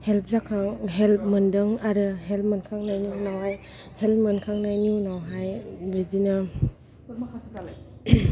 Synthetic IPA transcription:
help̚zakʰaŋɦɛlp̚mɯndɯŋaɾɯɦelp̚mənkʰaŋnajninawɦaj | help̚mɯnkʰaŋnajnunawɦajɾidina

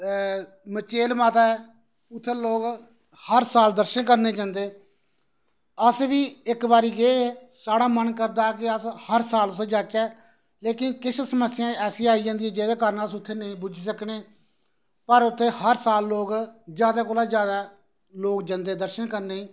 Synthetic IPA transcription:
mət͡ʃeːlmaːt̪aːɛː | ʊt̪ʰːeːloːk | həɾsaːld̪əɾʃənkəɾneːd͡ʒãːnd̪eː | əsʋiːɪkbaːɾiːɡeeːsaːɽaːmənkəɾd̪aːkɪəshəɾsaːlʊt̪ʰːeːd͡ʒaːkaː | leːkɪnkɪt͡ʃʰsəməsːɪjãːɛːsĩːaːiːd͡ʒãːnd̪iːeːd͡ʒeːd̪aːkəɾnəsʊt̪ʰːeːnəĩːbʊd͡ʒsəkneː | pəɾʊt̪ʰːeːhəɾsaːlːoːɡd͡ʒjaːd̪aːkoːlaːd͡ʒjaːd̪aː | loːkd͡ʒə̃ːnd̪eːd̪əɾʃənkəɾneːĩː

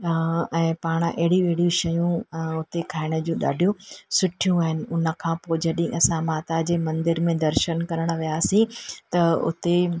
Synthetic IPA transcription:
ɛ̃ːpaːɽ̃ɐɦɪɽũɐɦɪɽijũʃɐjũʊt̪ekʰaːɪɽ̃ə̆d͡ʑũːɗa̰ːɖʱijũsʊʈʰijũaːɦɪnɪ̆ʊnə̆kʰãːpoːd͡ʑɐɗĩʔɐsãmaːt̪ad͡ʑeːmɐ̃nd̪ɪɾmẽd̪ɐɾʃənkɐɾəɽ̃ə̆ʋijaːsĩt̪ɐʊ̰t̪e

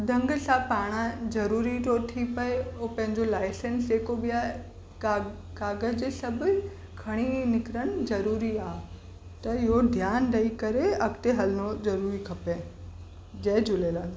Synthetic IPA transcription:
d̪ʱɐ̃ŋɡsãpaːɽ̃ãzɐɾuːɾiʈoːɾt̪ʰipɐeopɐ̃ɦɪ̃ɲd͡ʑolaːɪsẽnsd͡ʑeːkobija | kaːɡəd͡ʑeːsɐbʱʊ | kʰɐɽ̃inɪkɾəɽ̃zɐɾuːɾiaːɦ | t̪ɐɪɦod̪ʱjaːnɾɐikɐɾeɐkt̪eɦɐlnozɐɾuːɾikʰɐpeː | d͡ʑɐːd͡ʑʱʊleːlaː

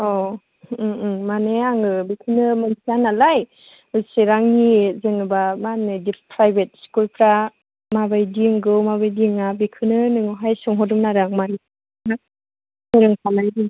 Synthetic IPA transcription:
ɔ | maneaŋɯbikʰɯnɯmɯnsʰianalaj | ɯseɾaŋhizeŋɯbamanɯdipʰɾajbet̚skulpʰɾa | mabajdiŋɡɯwmabajdiŋabikʰɯnɯnɯŋɯɦajsɔŋɦɔdumnaɾaŋmane | na | seɾɯŋpʰanajdi

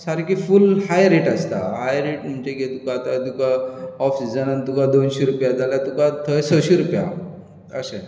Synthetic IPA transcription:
saɾkifulhajɾeʈəst̪aɦajɾeʈm̤əɳd͡ʑeɡʱet̪ukaːt̪at̪ukaɔfsid͡zənant̪ukad̪onɕeɾupjad͡zaljat̪ukat̪ʰəsəɕeɾupja̰ | əɕə

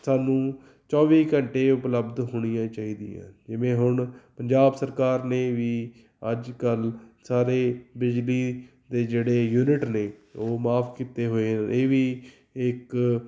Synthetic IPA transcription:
saːnũː | t͡ʃɔːʋiːkəɳʈeːʊpləbd̪ɦoːɽ̃ɪjãːt͡ʃaːiːd̪ɪjã̰ːd͡ʒɪʋẽːɦʊɳpəɲd͡ʒaːbsəɾkaːɾneːʋiː | əd͡ʒkəlsaːɾeːbɪd͡ʒliː | d̪eːd͡ʒeːɽeːjuːnɪʈneːoːmaːpʰkiːt̪eːɦoːeːeːʋiː | ɪk

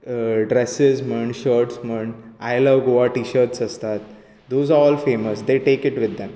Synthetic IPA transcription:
ɖɾesɪzməɳɖʃəɾʈsməɳɖaɪləʋɡoaʈiːʃəɾʈsəst̪at̪̚ | d̪oːzaɾɔːlfeːməsd̪eʈeːkɪʈʋɪd̪ːɛ̃m

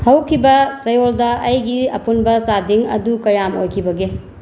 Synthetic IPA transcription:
hɐwkʰibɐsɐjoldɐʔːjɡiɐ̰punbɐsadiŋɐ̰dukɐjamo̰jkʰibɐɡe

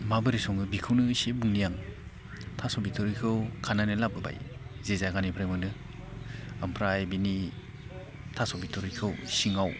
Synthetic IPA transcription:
mabɯɾisɔŋɯbikʰɯwnɯsebɯŋnijaŋ | tʰasɔbitʰɔɾikʰɯwkʰananɯlabɯba̰jzezaɡanipʰɾajmɯnɯ | ampʰɾajbini | tʰasɔbitʰɔɾikʰɯwsiŋaw

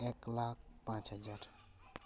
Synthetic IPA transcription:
eklak̚ʰpãt͡ʃɦəd͡ʒaɾ

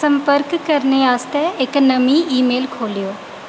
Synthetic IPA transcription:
sɐ̃mpəɾkkɐɾneaːst̪ɛɪknɐmĩiːmeːlkʰoːlijoː

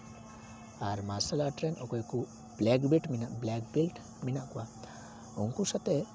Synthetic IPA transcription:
aɾmasalaʈɾɛnʔɔkɔjku | b̥lɛkbiʈminaʔblɛkbilʈ | minaʔkuwa | uŋkusat̪ɛ

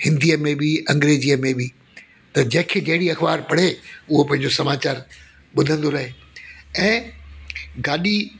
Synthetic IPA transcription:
hɪ̃nd̪ijəmẽbiʔɐ̃ŋɡɾeːzijəmẽbɪ | t̪ɐd͡ʑɐ̃ɦɪ̃kʰeɗɐɦɪɽiɐxbaːɾpɐɽ̤eʊɦopɐ̃ɦɪ̃ɲd͡ʑosɐmaːt͡ɕaːɾ | ɓʊd̪ʱə̃nd̪oɾɐɦeɛ̃ː | ɡaːɗi

